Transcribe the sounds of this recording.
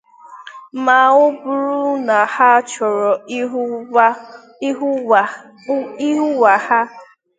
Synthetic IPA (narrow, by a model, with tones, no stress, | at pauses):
ma˨ŋʊ˦bʊ˨ɾu˦na˨ha˦t͡ʃɔ˨ɾɔ˨˦ | i˦ɦu˦wa˨ha˦